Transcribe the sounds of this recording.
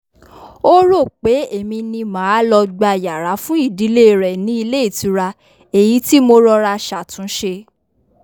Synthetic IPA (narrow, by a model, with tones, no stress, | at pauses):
o˦ɾo˦˨k͡pe˨˦e˨mĩ˧nĩ˧mã˨˦a˦lɔ˧ɡ͡ba˧˨ja˨ɾa˨˦fũ˦i˦˨di˨˦le˦˨ɾɛ˨nĩ˨˦i˧le˦i˦˨ti˨˧˦ɾa˧ | e˨ji˨˦ti˦mo˧ɾɔ˧ɾa˧ʃa˨tũ˨˦ʃe˧